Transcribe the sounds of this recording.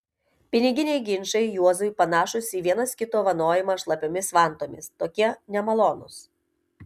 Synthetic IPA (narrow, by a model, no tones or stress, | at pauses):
pʲɪnʲɪɡʲɪnʲɛɪɡʲɪnʲʃɐɪjuɔzʊjpɐnɑːʃʊsʲiːʋʲiɛnɐskʲɪt̪oːʋɐnoːjɪmɐːʃlˠɐpʲoːmʲɪsʋɑˑnˑt̪oːmʲɪst̪oːkʲiɛnʲɛmɐlˠɔːnʊs